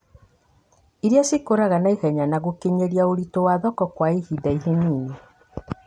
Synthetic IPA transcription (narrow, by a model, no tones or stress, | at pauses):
iɾjasikoɾaɣanaiɣɛɲanaɣokeɲeɾjaoɾitowaðɔkɔkwaihidaiɦiniːne